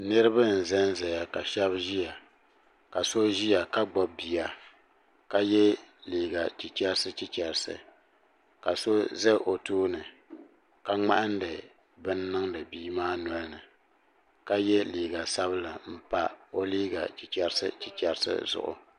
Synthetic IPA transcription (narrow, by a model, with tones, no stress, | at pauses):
nɨ˦ɾɨ˦ba˦n̩˨zɛ˦n˦zɛ˨ja˨ka˨ʃɛ˦bʒi˦ja˨ | ka˨so˦ʒi˦ja˨ka˦ɡ͡bɔ˨bbi˨ja˨ | ka˦jɛ˦liː˨ɡa˨t͡ʃi˨t͡ʃɛ˦ɾsɨ˦t͡ʃi˦t͡ʃɛ˨ɾsɨ̰˨ | ka˨so˦zɛ˦ʔo˨tuː˦nɨ˨ | ka˦ŋ͡ma̰˦ʔa˦n˦dɨ˨ | bɨ˦nː˦ɨ˦ŋdɨ˨biː˦maː˦nɔ˨˦lɨ˦nɨ˨ | ka˦jɛ˦liː˨ɡa˨sa˦βɨ˦la˨m̩˦pa˦o˦liː˦ɡa̰˨t͡ʃi˨t͡ʃɛ˦ɾsɨ̰˦t͡ʃi˨t͡ʃɛ˦ɾsɨ̰˦zʊ̰˨ʔʊ̰˨